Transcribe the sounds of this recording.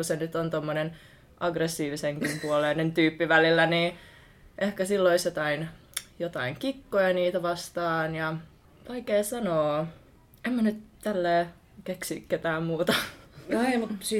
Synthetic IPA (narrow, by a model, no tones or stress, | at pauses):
kusenyt̪ont̪omːonen | ʔɑɡresːiːʋiseŋkimpuoleinent̪yːpːiʋælilːæniː | ʔehkæsilːoisjot̪ɑinjot̪ɑiŋkikːojɑniːt̪æʋɑst̪ɑːnjɑ | oikeːsɑnoː | emmænyt̪t̪ælːeː | keksḭːkket̪æːmmuːt̪ɑnɑimut̪si